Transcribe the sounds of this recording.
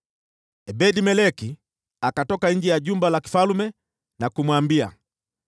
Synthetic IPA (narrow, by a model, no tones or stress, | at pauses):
ɛbɛdimɛlɛki | akatɔkaɲ̩d͡ʒɛjaʄumbalaki̥falumɛ | nakumwambia̰